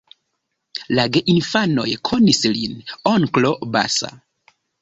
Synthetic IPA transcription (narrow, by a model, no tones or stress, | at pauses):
laɡeʔinfano̞̰jkʰonislinoŋkloba̰sa̰